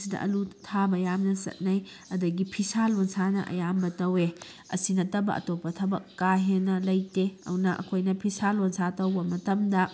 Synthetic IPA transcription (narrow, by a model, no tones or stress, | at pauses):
sidɐ̰ʔɐ̰lutʰabɐjamnɐsɐ̰t̚naj | ɐdɐɡipʰisalonsanɐ̰ʔɐ̰jambɐtɐwe | ɐ̰sinɐtɐbɐ̰ʔɐ̰topːɐtʰɐbɐkːaɦenːɐlɐjteɐ̰wnɐʔɐ̰kʰojnɐpʰisalonsatɐwbɐmɐtɐmdɐ